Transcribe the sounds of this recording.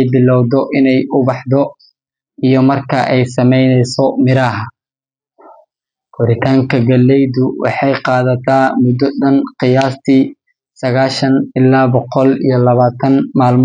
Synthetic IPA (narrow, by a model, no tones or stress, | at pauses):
jbɪlɔwd̪ɔʔɪnɛjʊbɑħd̪ɔ | ijɔmɐrkʰɐʔɛjsɐmɛjnɛjsɔmɪɾaːɦɐ | ɡ̥ʊɾɪt̪ʰaːŋkʰɐɡɐlːɛjd̪ʊwʔɑ̰ħɑjqɑːðɐt̪ʰaːmʊd̪ɔɗɐnqɪjaːst̪ʰiː | sɐɣaːʃɐnɪlaːbɔqɔlḭjɔlɐβaːt̪ʰɐnmaːlm